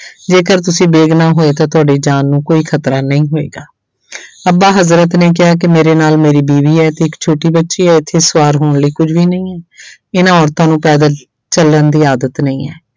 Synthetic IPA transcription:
d͡ʒeːkəɾt̪ʊsĩːbeːɡnaːɦoːeːt̪ãːt̪ʊaːɖiːd͡ʒaːnːũːkoːiːkʰət̪ɾaːnəĩːɦoːḛːɡaː | əbaːɦəzɾət̪neːk̬ɪɦaːk̬ɪmeːɾeːnaːlmeːɾiːbiːʋiːɛːt̪eːɪkt͡ʃʰoːʈiːbətːʃiːɛːɪt̪ʰːeːsʋaːɾɦoːɳləiːkʊd͡ʒʋiːnəĩːɛːɪnãːɔːɾt̪ãːnũːpɛːd̪aː | t͡ʃəlːənd̪iːaːd̪ət̪nəĩːɛ̰ː

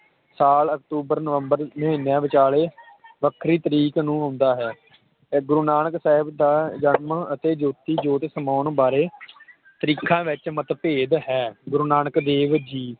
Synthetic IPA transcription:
saːləkt̪uːbəɾnəʋəmbəɾnəɦeːnjãːʋɪt͡ʃaːleː | ʋəkʰɾiːt̪əɾiːknũːɦõːnd̪aːɦɛː | ɡʊɾunaːɳəksɛːɦɪbd̪aːd͡ʒəɳməɳət̪eːd͡ʒoːt̪iːd͡ʒoːt̪səmaːnbaːɾeː | t̪əɾiːkʰãːʋɪt͡ʃmət̪peːd̪ɦɛːɡʊɾuːnaːɳəkd̪eːʋd͡ʒiː

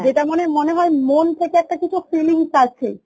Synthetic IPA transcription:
d͡ʑeʈamonemoneɦɔemont̪ʰekeɛk̚ʈakit͡ɕʰufiliŋsat͡ɕʰe

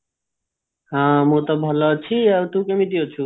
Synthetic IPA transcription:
ɦãmut̪ɔbʱʌlɔt͡ʃʰiʌɾt̪ũkemit̪ijot͡ʃʰu

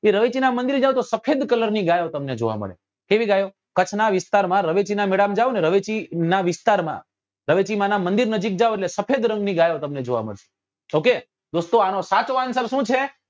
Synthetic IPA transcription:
eɾəʋet͡ʃinamənd̪iɾd͡ʒaʋõt̪osəpʰed̪kələɾniɡajot̪əmned͡ʒo̰ʋa̰mə̰ɭḛ | keʋiɡajo | kət͡ʃʰnaʋɪst̪aɾmãɾəʋet͡ʃinamɛɽamd͡ʒaʋoneɾəʋet͡ʃinaʋɪst̪aɾmã̰ | ɾəʋet͡ʃimãnamə̃nd̪iɾnəd͡ʒik̚d͡ʒaʋoeʈlesəpʰed̪ɾə̃ŋɡniɡajot̪əmned͡ʒo̰ʋa̰mə̰ɭʃe̥ | oke | d̪ost̪oanosat͡ʃoansəlʃũt͡ʃʰe

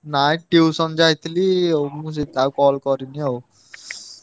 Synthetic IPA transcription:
nãʈiusʌmd͡ʒait̪ʰliomus̬id̪akɔːlkɔɾiniɦo

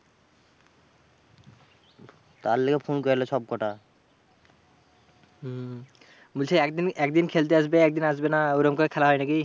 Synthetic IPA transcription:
t̪aɾlekepʰonkɔjalesɔb̚kɔʈa | mulsʰeɛkd̪inɛkd̪inkʰelt̪eas̬beɛk̚d̪inas̬benauɾɔmkɔɾɛkʰɛlaɦɔjnaki

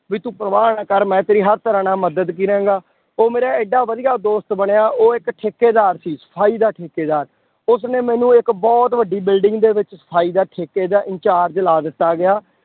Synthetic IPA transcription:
ʋiːt̪ũːpɾəʋaːnaːkəɾmɛ̃ːt̪eːɾiːɦəɾt̪əɾãːnaːməd̪əd̪k̬iːɾɛ̃ːɡaː | oːmeːɾaːɪɖːaːʋəd̪ijaːd̪oːst̪bəɽeːaːʔoːɪkʈʰeːkeːd̪aːɾsiːsə̥pʰaːiːd̪aːʈʰeːkeːd̪aːɾ | ʊsnẽːmɛ̃ːnũːɪkbɔːt̪ʋəɖːiːbɪlɖɪŋɡd̪eːʋɪt͡ʃsə̥pʰaːiːd̪aːʈʰeːkeːd̪aːʔɪ̃ɲt͡ʃaːɾd͡ʒlaːd̪ɪt̪ːaːɡɪjaː

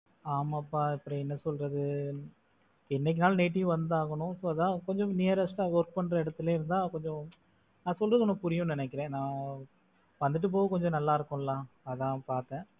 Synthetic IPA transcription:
aːmaːpːaːɪpːɐɾɔ̃ɛnːɐsɔlɾɐðɯ | ɛnːɛk̬ːɪnaːlneːʈ̬ːɪjʊ̃ʋɐnd̪aːɣɐɳʊ̃soːɐðãːkɔɲd͡ʒɔ̃neːɐɾɐsʈãʋɐɾk̚pɐɳːɾɐɪɽɐt̪ːɯleːɪɾɯnd̪ãːkɔɲd͡ʒɔ̃ | nãːsɔlɾɐðkɔnɐpʊɾɪjʊ̃nɪnɛkːɪɾẽːnãː | ʋɐnd̪ɯʈ̬ːɯp̬ːoːʋɐkɔɲd͡ʒɔ̃nɐlːaːɪɾɯkːʊ̃lãː | ɐðãːpaːɾt̪ɛ̃ː

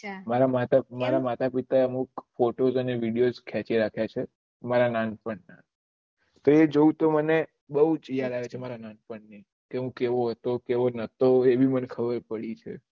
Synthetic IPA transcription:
maɾamat̪amaɾamat̪apit̪aeəmukfoʈozəneʋiɽijozkʰat͡ʃiɾakʰjat͡ʃʰe | maɾananpəɳna | t̪oed͡ʒoũt̪oməne | bəut͡ʃəjalaʋet͡ʃʰemaɾananpəɳnə | keɦũkeʋoɦət̪okeʋonət̪oebimənekʰəbəɾpəɭit͡ʃʰḛ

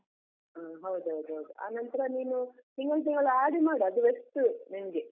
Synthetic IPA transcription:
aːɦɐwd̪uɦɐwd̪uɦɐwd̪uʔa̰ːnɐnt̪ɐɾɐniːnut̪iŋɡɐɭt̪̬iŋɡɐɭuaːɽimaːɽiɐd̪uʋesʈunimɐɡe

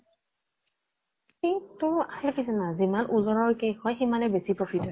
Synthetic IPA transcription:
xitʊasɛfisɛnazimanʔuzɔɹɔɹkejxɔjximanɛbesipɹɔpʰitɔ

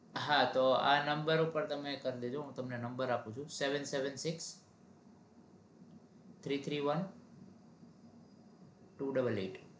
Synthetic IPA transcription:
ɦat̪oa̰nəmbəɾupəɾt̪əmekəɾd̪ed͡ʒoɦũt̪əmnenəmbəɾapũt͡ʃʰũseʋənseʋənsɪks | t̪ʰɾit̪ʰɾiʋən | ʈuɖəbəlḛʈ

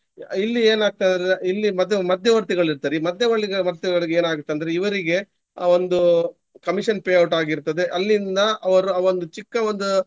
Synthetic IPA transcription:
ilːieːnaːɡ̚t̪eɐnd̪ɐɾeilːimɐd̪ʱjɐmɐd̪ʱjɐʋɐɾt̪iɡɐɭiɾt̪aːɾimɐd̪ʱjɐʋɐɭːiɡɐʋɐɾt̪iɡɐɭiɡeeːnaːɡut̪ːeɐnd̪ɐɾeiʋɐɾiɡe̞ | aːʋo̞nd̪u | kɐmiʂɐnpeːɐwʈaːɡiɾt̪ɐd̪e̞ʔɐlːind̪ɐɐʋɐɾuaːʋo̞nd̪ut͡ʃikːɐʋond̪u

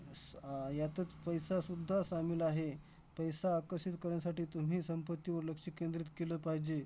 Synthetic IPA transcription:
jat̪ət͡spəjsasud̪ʱːasamiːlaɦe | pəjsaːkəɾɕit̪kəɾjasaʈiːt̪um̤iːsəmpət̪ːiːʋəɾləkʂikend̪ɾit̪keləpaɦid͡ʑe

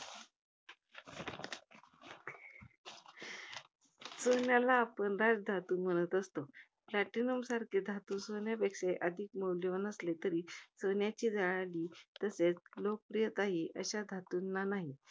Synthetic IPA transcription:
sənjalaːpəɳɾad͡zd̪ʱat̪uːm̤əɽ̃ət̪əst̪o | plaʈinəmsaɾkʰed̪ʱat̪usənjapekʂeʔəd̪ʱikməwljʋənəslet̪əɾiːsənjat͡ɕiːd͡zaɭaliːt̪əset͡slok̚pɾijət̪aɦiʔə̰ɕad̪ʱat̪unːanaɦi

